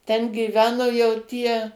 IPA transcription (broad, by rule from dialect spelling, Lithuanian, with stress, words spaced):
tʲɛn ɡʲiːˈʋʲæːnoː jɛʊ ˈtʲiɛ